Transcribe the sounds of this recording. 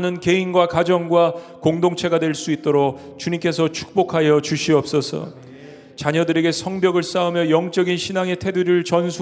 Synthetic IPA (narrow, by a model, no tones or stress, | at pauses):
nɯnke̞inɡwakad͡ʑʌŋɡwa | koŋdoŋt͡ɕʰe̞ɡadwe̞ɭs͈uit̚t͈oɾok | t͡ɕuɲimk͈e̞sʰʌt͡ɕʰu̥k̚p͈okʰajʌt͡ɕuɕʰiʌp̚s͈ʌsʰʌ̰ | t͡ɕaɲʌdɯɾe̞ɡe̞sʰʌŋbjʌɡɯɭs͈aumjʌjʌŋt͡ɕ͈ʌɡinɕʰinaŋe̞tʰe̞duɾɯɭt͡ɕʌnsʰu